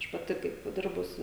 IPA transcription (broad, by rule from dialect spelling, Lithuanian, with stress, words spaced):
ˈɐʃ pɐˈtʲɪ kɐɪp ˈdʲɪrbʊs